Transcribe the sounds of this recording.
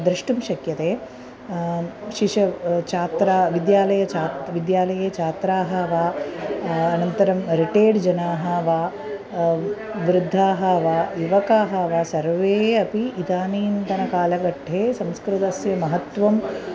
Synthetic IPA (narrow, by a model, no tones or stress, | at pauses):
d̪ɾɪʂʈumʃɐkjɐt̪eː | ʃiʂɐt͡ʃaːt̪ɾaːʋid̪jaːlɐjɐt͡ʃaːt̪ʋid̪jaːlɐjɐt͡ʃaːt̪ɾaːɦɐːʋaː | ɐnɐnt̪ɐɾɐmɾiʈeːɖd͡ʒɐnaːɦɐʋaː | ʋɾɪd̪ʱːaːɦɐʋaːiʋɐkaːɦɐʋaːsɐɾʋeːɐpiːt̪aːniːnt̪ɐnɐkaːlɐɡɐʈʰːeːsɐ̃mskɾɪt̪ɐsjɐmɐɦɐt̪ʋɐm